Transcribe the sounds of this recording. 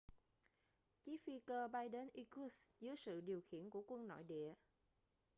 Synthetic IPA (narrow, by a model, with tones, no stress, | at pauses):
t͡ɕi˨˦˥fi˧kəː˧ɓa˧jɗe˨˧˦nʔi˧ku˨˦szɨ˨˦əjsɨ̰˧˨ɗi˨˩əwxḭ˧˨ənku˧˩əkwə˧nnɔ̰˧˨jɗḭ˧˨ə